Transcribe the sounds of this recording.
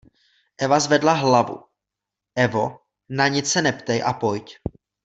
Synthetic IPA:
ʔɛvazvɛdlaɦlavṵ | ʔɛvo | naɲɪt͡ssɛnɛpt̪ɛjʔa̰po̞jc

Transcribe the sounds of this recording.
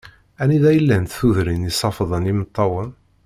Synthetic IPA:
æniðæjəlːænt̪θuðɾinisˤɑfəðˤənimət̪ˤːɑwən

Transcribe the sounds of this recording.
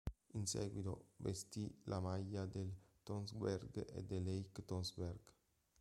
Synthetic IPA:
insḛɡwit̪o̰bḛst̪ilʔamajad̪elt̪onsbeɾɡḛd̪elejkt̪onsbeɾɡ

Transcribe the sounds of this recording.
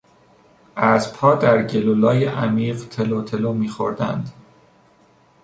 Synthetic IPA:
æzpʰɒːd̪æɾɟelolɒːjeʔæmiːɢt̪ʰelot̪ʰe̞lomiːxo̰ɾd̪æ̰nd̪

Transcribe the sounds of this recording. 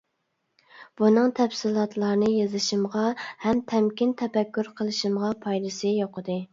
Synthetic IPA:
b̥unɨŋt̪ʰɛpsɨlˠɑt̪ʰlˠɑɾnɨjɑzɨʃimʁɑhɛmt̪ʰɛmkʲint̪ʰɛpɛkʲːyɾqʰəlˠɨʃɨmʁɑpʰɑjd̪ɨsɨjoqʰəd̪ɨ

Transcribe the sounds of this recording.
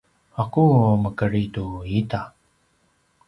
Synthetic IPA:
akuməkəɾituit̪a

